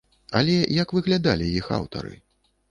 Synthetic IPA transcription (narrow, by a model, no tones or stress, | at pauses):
a̰lʲɛjɐkvɨɣlʲad̪alʲijixa̰wt̪ɐ̰ɾɨ̰